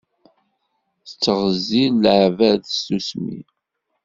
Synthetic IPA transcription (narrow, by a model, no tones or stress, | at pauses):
θət͡sːəʁəzilːʕvæðstusmḭ